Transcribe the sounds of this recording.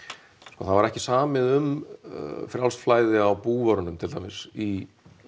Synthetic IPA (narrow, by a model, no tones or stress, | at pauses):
skɔːθavaɾɛhcɪsaːmɪðʏm | fɾjawlst̪flaːjðɪawpuːvaɔɾʏnʏmt̪ʰɪlamɪsi